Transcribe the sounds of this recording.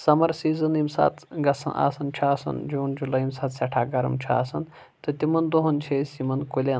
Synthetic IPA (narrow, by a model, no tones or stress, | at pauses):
sɐmɐɾsiːzɐnimsa̰ːt̪ʰɡɐsɐ̰nʔa̰ːsɐnt͡ʃʰɐaːsɐ̰nd͡ʒuːnd͡ʒulɐimsat̪sʲɐʈʰaːɡɐɾɐ̰mt͡ʃʰua̰ːsɐn | t̪ɨt̪imɐnd̪oɦɐnt͡ʃʰesʲimɐnkulʲen